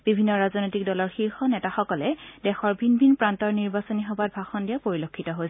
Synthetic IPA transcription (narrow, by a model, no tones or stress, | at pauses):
b̥ibʱinːɔɹaznojtik̚dɔlɔɹxiɹxɔnɛtaxɔkɔlɛdɛxɔɹbʱinbʱinpɹantɔɹniɹbasɔniɦɔbat̚bʱaxɔndijapoɹilokʰːitɔɦojsɛ